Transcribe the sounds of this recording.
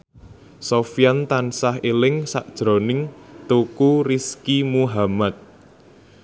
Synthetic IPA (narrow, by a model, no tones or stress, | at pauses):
sofijant̪ansaɦelɪŋsaʔd̥ʒ̥ɾɔnɪŋt̪ukuriskimuɦamat̪̚